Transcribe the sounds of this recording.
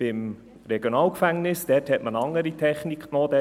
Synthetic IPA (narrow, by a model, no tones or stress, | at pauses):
ɪm | rɛɡ̥jonɑːlkfæŋnɪsd̥ɛːthɛtmənɑŋːəɾitʰɛχnikχnod̥̪ɛ